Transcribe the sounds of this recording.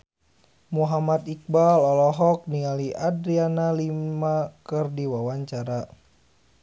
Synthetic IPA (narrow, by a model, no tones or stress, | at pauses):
muɦamat̪ik̚balɔlɔɦɔk̚nialiʔadɾianalimakɨrdiwawaɲt͡ʃaɾa